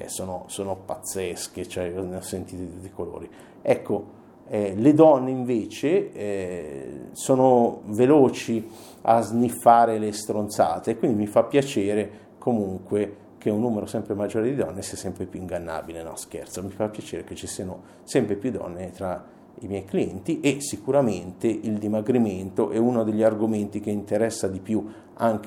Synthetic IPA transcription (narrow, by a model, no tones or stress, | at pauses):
ɛ̰soːnosoːnopat̪sːɛsk̟et͡ʃoɛɔneɔsːent̪iːt̪od̪it̪ut̪ːikolo̰ːɾi | ɛkːo | ɛled̪ɔnːeiɱveːt͡ʃeɛ | soːnoveloːt͡ʃi | a̰znifːaːɾelest̪ɾont̪sa̰ːt̪eːkːwind̪imifapːjat͡ʃeːɾe | komuŋkwe | k̟eunːuːmeɾosɛmpɾemad͡ʒːoːɾed̪id̪ɔnːesiːasɛmpɾepjuiŋɡanːa̰ːbilenɔ̰̃skḛrt̪somifapːjat͡ʃeːɾeket͡ʃːisiːano | sɛmpɾepjud̪ɔ̰nːet̪ɾa | imjɛjkliɛnt̪iʔesikuɾament̪eʔild̪imaɡɾiment̪oʔɛunod̪eʎːiarɡoment̪ik̟eint̪eɾɛsːad̪ipju | aŋk